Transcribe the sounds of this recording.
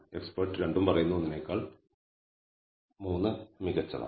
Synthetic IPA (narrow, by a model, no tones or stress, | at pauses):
e̞ksporʈːɨɾe̞ɳɖumpɐrɐjunːuonːinekːaːɭ | muːnːɨmiɣɐt͡ɕːɐ̰ðɐ̰